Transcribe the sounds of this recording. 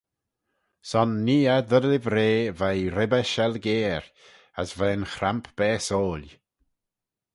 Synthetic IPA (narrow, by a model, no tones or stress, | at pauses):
sɔnːiːad̪ədlɪvɾeːvajɾɪbəʃɛlɡeːɾ | əsvɛːnxɾampʰb̥ɛːsoːl